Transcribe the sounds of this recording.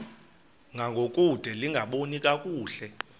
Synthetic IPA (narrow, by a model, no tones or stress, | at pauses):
ŋɡʱaŋɡʱokʼud̥ʱɛliŋɡʱaɓonikʼakʼuːɬɛ